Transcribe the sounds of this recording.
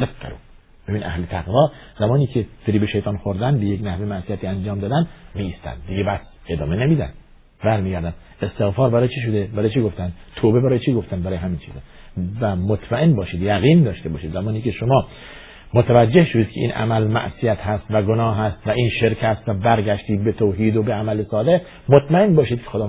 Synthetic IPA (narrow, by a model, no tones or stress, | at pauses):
eqæ̰ɾṵː | hæminʔæ̰hlet̪ʰæɣvɒː | zæmɒːniːcʰefeɾiːbeʃejt̪ʰɑːnxoɾd̪ænbejeknæhvemæʔsijæt̪iːænd͡ʒɒːmd̪ɒːd̪ænd̪miːst̪æ̰nd̪ːiɟebæs | ed̪ɒ̰ːmenemiːd̪æ̰nd̪ | bæɾmiːɡæɾd̪ænd̪ | est̪e̞ɣfɒːɾbæɾɒːjet͡ʃʰiʃ̬od̪ebæɾɒːjet͡ʃʰiɡoft̪ænd̪t̪ʰoːbebæɾɒːjet͡ʃʰiɡoft̪ænd̪bæɾɒːjehæmint͡ʃʰiːzɛvæmot̪ʰmæenbɒːʃiːd̪jæɣiːnd̪ɒːʃt̪ebɒ̰ːʃiːd̪zæmɒːniːkʰeʃomɒː | mot̪ʰævæd͡ʒːehʃod̪iːd̪̚kʰeʔḭːnʔæ̰mælmæ̰ʔsijæt̪hæst̪væɡonɒːɦæst̪væʔiːnʃe̞ɾcʰæst̪væbæɾɟʲæʃt̪iːd̪̚bet̪ʰoːɦiːd̪obeæmælesɒːd̪e | mot̪ʰmæenbɒːʃiːd̪̚kʰexod̪ɒː